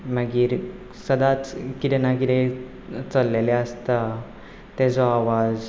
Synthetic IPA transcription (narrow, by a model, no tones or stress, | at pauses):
məɡiːɾ | səd̪at͡skit̪ɛnakit̪e | t͡səlːeleəst̪a | t̪ɛd͡zɔaʋad͡z